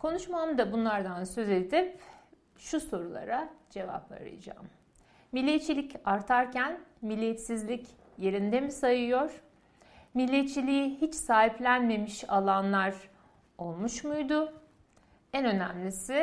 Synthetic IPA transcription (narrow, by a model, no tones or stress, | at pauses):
kʰo̞nuʃmamd̪abunlˠaɾd̪ansø̞ze̞d̪ip | ʃuso̞ɾulˠa̰ɾad͡ʒe̞va̰pʰa̰ɾɯ̰jd͡ʒa̰ːmː | ilʲːɛt̪̚t͡ʃʰːilʲicʰaɾt̪ʰaɾcʰænmilʲːijɛt̪sizlʲic | je̞ɾind̪emisajɯjo̞ɾ̥ | milʲːet̪̚t͡ʃʰːilʲijihit͡ʃsaːɦiplʲænme̞miʃalˠanlˠaɾ | o̞lˠmuʃmujd̪ʊ | ɛnø̞næmlʲisɪ